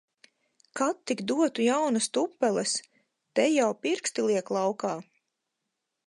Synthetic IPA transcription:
kat̪ːikd̪uɔt̪ujawnast̪upːɛlɛs | t̪ɛjawpiɾkst̪ilˠiɛklˠawkaː

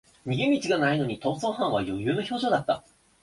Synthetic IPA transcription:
mʲiɡemʲit͡ɕiɡanaino̞ɲ̟it̪o̞ːzo̞ːhãɰ̃β̞ajo̞jɯ̟ːno̞ço̞ːʑo̞ːd̪at̪ːa̰

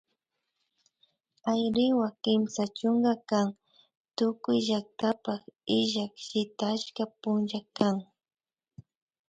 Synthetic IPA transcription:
ajɾɪwakɪmsat͡ʃʊŋɡakaŋ | t̪ʊkʊjʒak̚t̪apakɪʒakʃɪt̪at͡ʃkapʊnʒakaŋ

